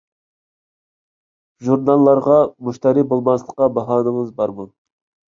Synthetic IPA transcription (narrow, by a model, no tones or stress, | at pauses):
ʒuɾnɑlˠːɑɾʁɑmuʃt̪ɑɾibolˠmɑslˠəqːɑbɑɦɑːnəŋəzbɑɾmu